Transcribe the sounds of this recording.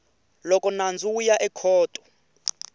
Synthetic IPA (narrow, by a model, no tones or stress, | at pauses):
lɔkʼɔnand͡zʱujaʔɛkʰɔːtʼɔ̥